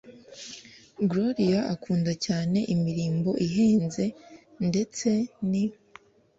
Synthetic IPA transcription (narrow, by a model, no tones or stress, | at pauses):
ɡloɾiaakʰuːndacaːne̞ʔimiɾiːmbo̞ʔiɦeːnze̞ | nde̞t͡se̞ni